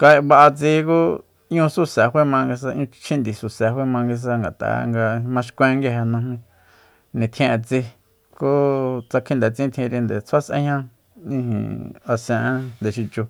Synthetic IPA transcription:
ka˧βa˧ʔa˧t͡si˧ku˦ | ɲũ˧su˦sa˨hwe˦mã˧ŋɡi˧s̬a˧ɲũ˧t͡ʃʰĩ˦nd̪i˨su˨se˨ɦwe˦mã˧ŋɡi˧s̬a˧ŋɡa˨t̪a̰˨ŋɡa˧mã˧ʃkʷẽ˦˧ŋɡi˦˧ɦe˧nũ˧mĩ˧ | nĩ˨t̪ʰj̃ẽ˧ʔe˧t͡si˧ | ko˦t͡sa˧kʰĩ˦nd̪e˨t͡sĩ˦t̪ʰĩ˧ɾi˧nd̪e˨t͡sʰa˦sʔḛ̃˦hã˦ | ĩ˦˧hḭ̃˨a˧sẽ˧ʔã˦nd̪e˨ʃi˧t͡ʃu˧

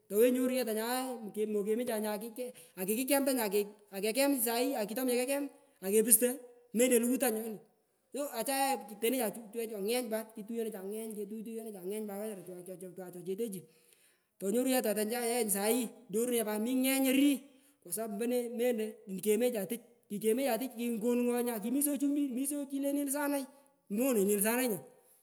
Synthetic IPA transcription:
tɔ˨we˦ɲo˦ɾu˦jɛ˦ta˨ɲa˨˦kemo˨ke˨mi˦t͡ʃa˨ɲa˨ki˦kɛ˦a˨ki˨kɪ˦k̬ɛ˦mta˦ɲa˨ke˨a˨ke˨k̬ɛ˦m˨sa˨i˦a˨ki˨tɔ˦ma˨kɛ˦kɛ˦m | a˨ke˨pɪ˦ste˦ | me˦nde˨lu˦ku˦ta˦ɲɔ˦nɪ˨ | so˦a˨t͡ʃa˦ja˦˨te˨ne˦t͡ʃa˨t͡ʃu˦t͡ʃɛ˦t͡ʃa˨ŋɛ˦ɲpa˦tki˧tu˦je˦ne˦t͡ʃa˨ŋɛ˦ɲke˧t̬u˦t̬u˦je˦ne˦t͡ʃa˨ŋɛ˦ɲba˨ka˦ɲa˨ɾtt͡ʃta˨t͡ʃɔ˨t͡ʃe˨t̬e˦t͡ʃi˨ | tɔ˨ɲo˦ɾu˦ja˦t̬a˨ta˨ɲt͡ʃa˦ja˦ɲs̬a˨i˦ɲo˦ɾu˦n˦a˨ba˨mi˦ŋɛ˦ɲe˦ɾi˦ | kɔ˨sa˦mbɛ˦ne˦me˦nde˨ke˨me˦t͡ʃa˨tɪ˦t͡ʃ̚ | ki˨t͡ʃe˨me˦t͡ʃa˨tɪ˦t͡ʃki˧ŋɡo˦nŋɔ˦ɲa˧k̬i˨mi˦s̬o˦t͡ʃu˦bi˦mi˦so˦t͡ʃi˦le˦ni˦ls̬a˦na˦j | mo˦ne˨ɲi˨lsa˦na˦ɲa˨

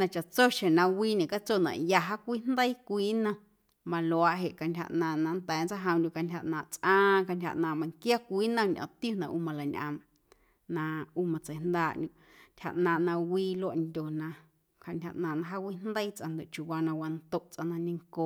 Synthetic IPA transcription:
nã˧t͡ʃa˨t͡so˦ʃẽ˨nã˧wiː˦ɲẽ˨ka˦t͡so˦˨nã̰˨ʔja˧ɦa˦kʷiː˦nd̪ə˦i˦kʷiː˦nã˧ | mã˧lo˨a˧ʔɦe˨ʔka˧ntʲha̰˧ʔnãː˧˨ʔnã˧nt̪ɛː˨˦nt͡sa˦ɦə̃˧ndʲu˧ka˧ntʲha˧˨ʔnãː˨t͡sʔãː˦ka˧ntʲha̰˧˨ʔnãː˧˨mã˧˨ŋkja˦kʷiː˦nə̃˧ɲʔɔ̰̃˨t̪ju˦nã˧ʔuː˧mã˧la˨ɲʔã̰˧m | nã˧uː˧˦mã˨t͡sə˨nd̪aː˦˧˨ʔndʲũ˧˨ | n̥tʲha̰˧˨ʔnãː˧˨ʔnã˧wiː˧˦lo˦a˨ʔndʲo˨nã˧ | ka˧nʲha˧˨ʔnãː˨nã˧ɦa˦wʷi˦nd̪ə˦i˦t͡sʔã̰˧nd̪o˨ʔt͡ʃu˨waː˧nã˧wa˧nt̪o˦ʔt͡sʔã˧nã˧nĩ˧ŋko˧˨

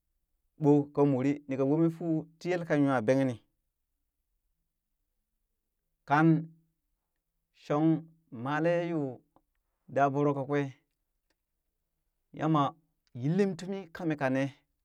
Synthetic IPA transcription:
ɓo˦ka˨mu˨ɾi˦ni˨ka˨wo˦mi˦fu˦ti˦je˦lka˦ɲu˦a˨be˦ŋ˦ni˨ | ka˨n | ʃo˦ŋ | ma˨le˦ju˦ | da˨bu˦ɾo˦ka˨kʷe˦ | jʔa̰˦ma˨ | ji˦lːi˦mtu˦mi˦ka˦mi˨ka˨ne˦

